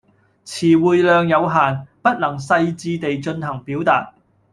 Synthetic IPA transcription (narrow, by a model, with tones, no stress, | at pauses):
t͡sʰiː˨˩wuː˨jlœː˨˧ŋjɐ˨˧wɦaː˨npɐ˥t̚lɐ˨˩ŋsɐ˧jt͡siː˧t̪e˨jt͡ʃɵ˧nh̪ɐ˨˩ŋpiː˨˥wt̪aː˨t̚